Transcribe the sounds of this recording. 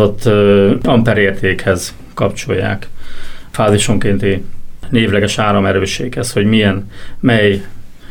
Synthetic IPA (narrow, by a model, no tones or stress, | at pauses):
ot̪ːɒmpɛɾeːrt̪eːkhɛz̥ | kɒpt͡ʃo̞̰jːa̰ːkfaːziʃo̞ŋkeːnt̪ineːvlɛɡɛʃaːɾɒmɛɾøːʃeːkhɛsho̞ɟmijɛnmɛj